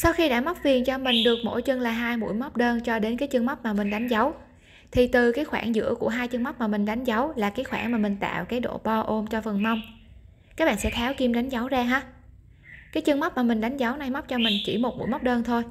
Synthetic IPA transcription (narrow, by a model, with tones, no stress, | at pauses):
sa˧wxi˧ɗa̰ː˧˥m˦˥p̚vi˨˩ənt͡ɕɔ˧mï˨˩ŋ̟ɗɨ˨˩ək̚mo̰˧˥jt͡ɕə˧ŋlaː˨˩ɦaː˧jmṵ˧˥jma˦˥wk͡p̚ɗəː˧nt͡ɕɔ˧ɗe˨˦nkaː˨˦jt͡ɕɨ˧ŋma˦˥k͡p̚maː˨˩mï˨˩ŋ̟ɗa˨˦jŋ̟za˨˦w | t̪ʰi˨˩t̪ɨ˨˩kaː˨˦jxwaː˧˩nzɨ̰˧˥əku˧˩əɦaː˧jt͡ɕɨ˧ŋm˦˥k͡p̚maː˨˩mï˨˩ŋ̟ɗa˨˦jŋ̟za˨˦wlaː˨˩kaː˨˦jxwaː˧˩nmaː˨˩mï˨˩ŋ̟t̪a̰ː˧˨wkaː˨˦jɗo̰˧˨ɓɔ˧ʔo˧mt͡ɕɔ˧fə˨˩nma˧wŋ͡m | kaː˦˥k̚ɓa̰ː˧˨˩sɛ̰˧˥t̪ʰɛ˨˦wki˧mɗa˨˦jŋ̟za˨˦wzaː˧ɦaː˧ | kaː˨˦jt͡ɕɨ˧ŋma˦˥k͡p̚maː˨˩mï˨˩ŋ̟ɗa˨˦jŋ̟za˨˦wna˨˩jma˦˥wk͡p̚t͡ɕɔ˧mï˨˩ŋ̟t͡ɕḭ˧˩mo˨˩t̚mṵ˧˥jm˦˥k͡p̚ɗəː˧nt̪ʰo˧j